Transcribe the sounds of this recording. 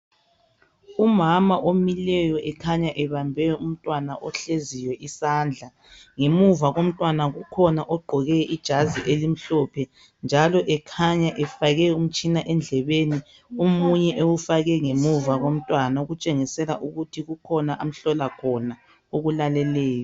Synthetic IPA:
umamaʔomilɛjɔʔɛkʰaɲaʔɛβambʱɛum̩tʼwanaʔɔɬezijwɛʔisaːnd͡ɮʱa | ŋemuvaɣom̩tʼwanaɣukʰɔnaʔɔɡ͡ǃʱɔɣɛʔid̥ʒ̥ʱaziʔelim̩ɬɔpʰɛ | nd͡ʒʱalɔʔɛkʰaɲaʔɛfaɣɛum̩t͡ʃʼinaʔɛnd͡ɮʱɛβeni | umuɲɛʔewufaɣɛŋemuvaɣom̩tʼwanaɣut͡ʃʼeŋisɛlaʔuɣutʰiɣukʰɔnaʔam̩ɬɔlakʰɔna | oɣulalɛlɛːjɔ

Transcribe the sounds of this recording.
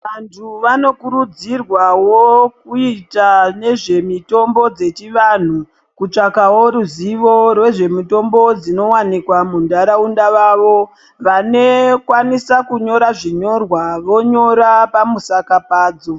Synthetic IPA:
ʋantʰuʋano̞kuɾud͡zirwawokuitane̞ʐe̞mito̞mbo̞d͡ze̞t͡ʃiʋan̤u | kut͡ʂakawoɾuziʋo̞rwe̞ʐe̞muto̞mbod͡zino̞wanikwamundaɾaundaʋaʋo̞ | ʋanekwanisakuɲo̞ɾaʐiɲo̞rwaʋo̞ɲo̞ɾapamusakapaːd͡zo

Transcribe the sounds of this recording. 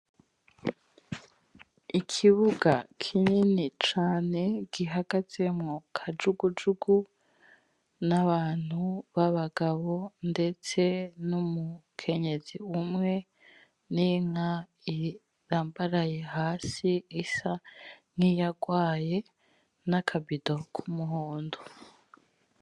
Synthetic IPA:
ikʰiβuɡakʰiɲinit͡ʃaːne̞ɡ̥iɦaɡ̥az̥e̞mŋokʰad͡ʒuɡud͡ʒuɡu | naβaːn̥huβaβaɡaβo̞nde̞t͡se̞numukʰe̞ɲe̞ziumŋe̞ | niŋa | i | ɾaːmbaɾajehaːsiisaŋ̥ijaɡwaːje̞ | nakʰabidokʰumuɦoːndo

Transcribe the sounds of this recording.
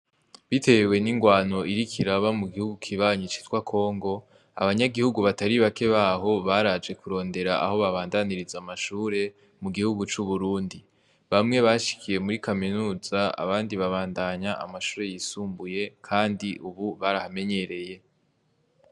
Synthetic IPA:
βite̞we̞niŋɡwaːno̞ʔiɾikʰiɾaβamuɡihuɡukʰiβaːɲit͡ʃi̥twakʰo̞ːŋɡo̞ | a̰βaɲaɡihuɡuβataɾiβake̞βaɦo̞βaɾad͡ʒɡe̞kuɾo̞ːnde̞ɾaʔa̰ɦo̞βaβaːndaniɾizamaʃuːɾe̞ | muɡihuɡut͡ʃuβuɾuːndi | βamŋe̞βaʃi̥kʰije̞muɾikaminuːz̥aa̰βaːndiβaβaːndaɲaa̰maʃuːɾe̞jisuːmbuje̞kʰaːndiʔuβuβaɾahame̞ɲe̞ɾe̞je̞

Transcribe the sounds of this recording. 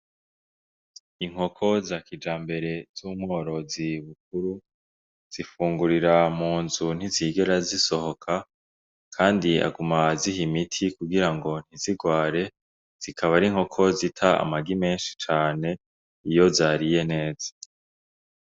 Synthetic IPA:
iŋ̥ho̞kʰo̞zaːkid͡ʒaːmbe̞ɾe̞z̥uːmŋo̞ːɾo̞ziβuk̚uɾu | z̥ifuːŋɡuɾiɾamuːnzun̥iziːɡe̞ɾaziso̞ho̞kʰa | kʰaːndia̰ɡumazihimitʰikuɡiɾaŋɡo̞n̥hiziɡwaːɾe̞ | z̥ikʰaβaɾiŋ̥ho̞kʰo̞zitʰaa̰maɡime̞ːnʃi̥t͡ʃaːne̞ | ijo̞zaːɾije̞ne̞ːzḁ

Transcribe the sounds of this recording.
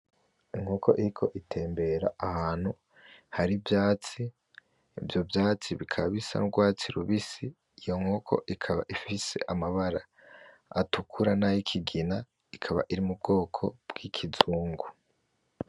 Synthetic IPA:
iŋhoko̞̰ʔiɾikʰo̞ʔitʰe̞ːmbe̞ɾaʔahaːnhu | haɾivjaːt͡si | ivjo̞bjaːt͡siβikʰaβaβisa̰nuɡwaːt͡siɾuβisi | jo̞ŋhokʰo̰ʔikʰaβa̰ʔifise̞̰ʔamaβaɾaː | tukʰuɾanajikʰiɡina | ikʰaβa̰ʔiɾimub̚ɡo̞ːkʰo̞̰b̥ɡ̥ikʰizuːŋɡu

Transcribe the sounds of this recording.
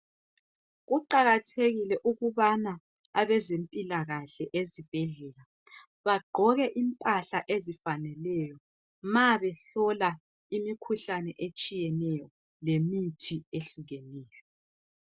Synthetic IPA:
ɣuǃaɣatʰeɣilɛʔuɣuβana | aβɛzempʼilaɣaɬɛʔezib̥ʱɛɮɛla | βaɡ͡ǃʱɔɣɛʔimpʼaɬaʔezifanɛlɛjɔ | maβɛɬɔla | imikʰuɬanɛʔet͡ʃʼijɛnɛjɔ | lemitʰieɬuɣɛnɛːjɔ

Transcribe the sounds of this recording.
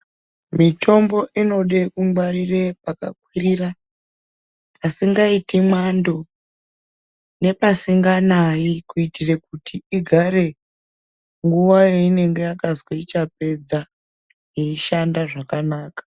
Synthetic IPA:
mitʰo̞mbo̞ʔino̞ɗekumwarire̞paka̰k̚wirira | pasiŋɡaitimando̞ | ne̞pasiŋɡanaikuitire̞kutʰiiɡʱaɾe̞ | ŋɡuʋajeine̞ŋɡe̞jakazweit͡ʃap̚e̞d͡za | jeiʃandaʐakanaːkḁ

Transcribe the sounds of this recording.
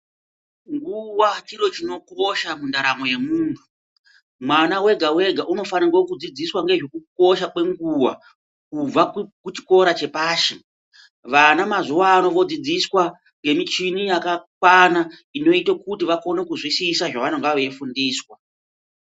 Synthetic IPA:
ŋɡuwat͡ʃiɾo̞t͡ʃino̞koʃamundaɾamo̞je̞muːmwe | mwanawe̞ɡʱawe̞ɡʱaʔuno̞fanirwokud͡zid͡ziswaŋɡe̞ʐo̞kuk̚o̞ʃakwe̞ŋɡuwa̰ | kub͡vakut͡ʃi̥ko̞ɾat͡ʃe̞paːʃe | ʋanamazuwaːno̞ʋo̞d͡zid͡ziswa | ŋɡe̞mit͡ʃinijakakwana | ino̞itokutiʋako̞ne̞kuzwisisaʐaʋanoŋɡaʋe̞fundiːswa

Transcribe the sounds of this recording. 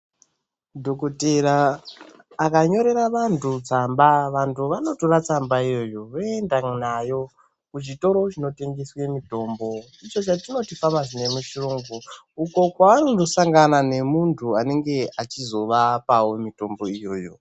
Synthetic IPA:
dʱo̞koteɾaː | kaɲo̞ɾe̞ɾaʋantʰut͡sambaʋantuʋano̞torat͡sambaijo̞jo̞ʋoendanajo̞ | kuʐito̞ɾo̞t͡ʃino̞te̞ŋɡeswe̞mito̞mbo̞ | it͡ʃo̞t͡ʃatino̞tifamaʐine̞muʃiroŋɡu | uko̞kwaʋanodo̞saŋɡanane̞muntʰuane̞ŋɡe̞at͡ʃizo̞ʋapawo̞mito̞mbo̞ijo̞̰ːjo̞̰

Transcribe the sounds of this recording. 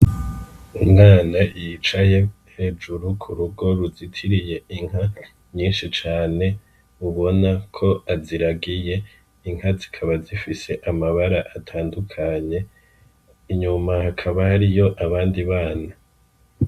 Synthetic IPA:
umŋaːnajit͡ʃaje̞ | he̞ːd͡ʒuɾukʰuɾuɡo̞ɾuzitʰiɾije̞iŋ̥ɦa | ɲiːnʃit͡ʃaːne̞ | uβo̞nakʰo̞ʔaziɾaɡije̞ | iŋ̥ɦazi̥kʰaβazifise̞ʔamaβaɾaʔatʰaːndukʰaɲe̞ | iɲumahakʰaβahaɾijo̞ʔaβaːndiβaːna

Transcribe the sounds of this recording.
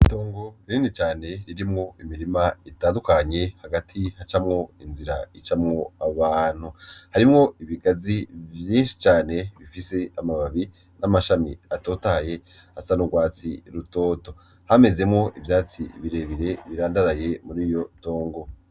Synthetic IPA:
to̞ːŋɡo̞ɾinit͡ʃaːne̞ɾiɾimŋo̞imiɾimaitaːndukaɲe̞haɡatʰihat͡ʃamŋo̞inziɾait͡ʃamŋo̞aβaːn̥huhaɾimŋo̞iβiɡazivjiːnʃi̥t͡ʃaːne̞βifise̞amaβaβi | namaʃamiato̞ːtaje̞ | asanuɡwaːt͡sḭɾuto̞ːto̞ | hame̞ze̞mŋo̞ʔivjaːt͡siβiɾe̞ːβiɾe̞βiɾaːndaɾaje̞muɾiːjo̞to̞ːŋɡo̞

